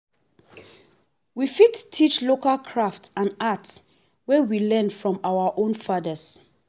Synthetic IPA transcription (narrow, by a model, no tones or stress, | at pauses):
wifittʰːit͡ʃlokalkʰɹaftãnats | wɛwilɛ̃nfɹɔ̃mawaʔõnfadəs